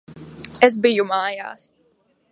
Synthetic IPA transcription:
ɛs̬bijumaːja̰ːs

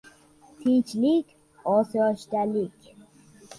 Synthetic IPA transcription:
t̪ʰit͡ʃʰlikʲʰ | ɒːsjɒʃd̪ælikʲ

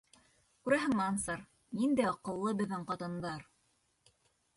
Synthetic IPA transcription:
kʉɾæɦɘ̆ŋmɑnsɑɾ | nind̪æɑqɤ̆lˠːɤbɘ̆ðːɘɴqɑt̪ɤ̆nd̪ɑɾ

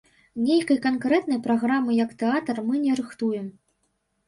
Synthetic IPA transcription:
nʲejkɐjkankɾɛt̪nɐjpɾaɣɾamɨjɐkt̪ɛat̪ɐrmɨnʲɛɾɨxt̪ujɛm

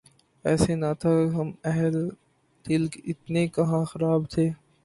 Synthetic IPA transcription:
ɛːsenat̪ʰaɦɐmɛɦl | t̪ɪlkɪt̪nekɐɦãxɐɾaːbt̪ʰeː

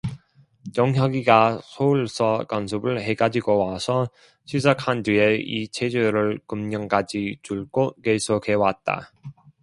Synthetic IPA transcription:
jʌŋɦjʌɡiɡasʰouɭs͈ʰʌkʌnsʰɯbɯɭhe̞ɡad͡ʑiɡowasʰʌ | ɕʰid͡ʑakʰandɥieit͡ɕʰed͡ʑeɾɯɭkɯmɲʌŋkad͡ʑit͡ɕuɭk͈okesʰokʰe̞wat̚t͈a̰

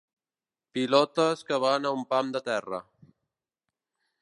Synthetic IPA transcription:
pilɔt̪əskəβanaumpamd̪ət̪ɛrə̰

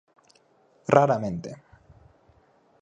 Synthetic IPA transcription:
rʔaɾamẽnt̪e

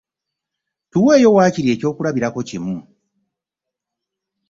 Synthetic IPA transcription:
tuwe̞ːjo̞waːciɾe̞ːco̞ːkuɾaβiɾako̞cimu

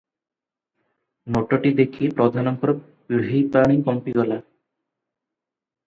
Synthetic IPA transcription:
noʈoʈid̪ekʰiepɾod̪ʱanɔŋkɔɾɔ | kiɦipaɽ̃ikɔmpiɡɔla

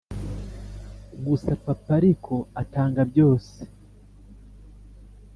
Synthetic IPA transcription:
ɡusapapaɾikʰoataːŋɡabjo̞ːse̥

